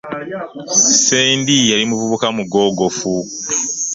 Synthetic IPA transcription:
seːndijalimuvuβukamuɡo̞ːɡofu

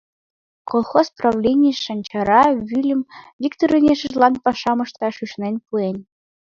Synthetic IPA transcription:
kolˠxosprɑvlʲenʲijʃɑnʲt͡ɕɑɾɑβʲylʲɘ̆mvʲikt̪oɾinʲeʃəʒlˠɑnpɑʃɑmɤ̆ʃt̪ɑʃyʃnenʲpuenʲ

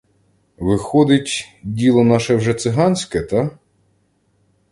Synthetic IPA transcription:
ʋɪxɔd̪ɪtʲdʲilˠɔnɑʃɛwʒɛt̪sɪɦɑnʲsʲkɛt̪ɑ

